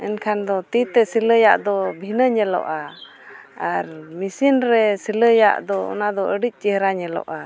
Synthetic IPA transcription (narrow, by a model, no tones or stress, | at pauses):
ɛnkʰand̪ɔt̪it̪ɛsiləjaʔd̪ɔbʱinəɲɛlɔ̰ʔa | aɾmisinɾɛsiləja̰ʔd̪ɔɔ̰nad̪ɔʔəɖic̚ˀt͡ʃiɦɾaɲɛlɔ̰ʔa